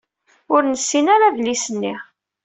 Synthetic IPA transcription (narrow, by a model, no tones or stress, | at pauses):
ʊɾnəsːinaɾavlisənːi